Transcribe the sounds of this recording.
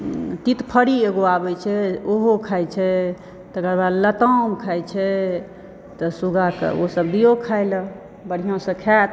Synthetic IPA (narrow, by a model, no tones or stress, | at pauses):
t̪it̪pʰəɽieɡoabɛt͡ʃʰɛoɦokʰajt͡ʃʰɛ | t̪əkəɾbad̪lət̪əmkʰajt͡ʃʰɛ | t̪ɔsuɡakə̰osəbd̪ijokʰajl | bəɽ̤ijõsə̃kʰɛt̪